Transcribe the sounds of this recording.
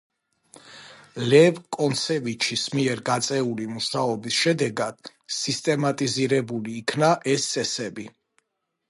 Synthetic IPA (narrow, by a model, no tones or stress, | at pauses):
lɛvkʼɔnt̪sʰɛvit͡ʃʰismiɛɾɡat̪sʼɛulimuʃaɔbisʃɛd̪ɛɡad̪̥ | sist̪ʼɛmat̪ʼiziɾɛbuliːkʰnaʔɛsɛsɛbi